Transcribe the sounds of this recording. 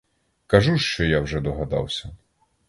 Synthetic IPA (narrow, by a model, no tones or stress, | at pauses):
kɐʒuʃt͡ʃɔjawʒɛd̪ɔɦɐd̪ɑ̰wsʲɐ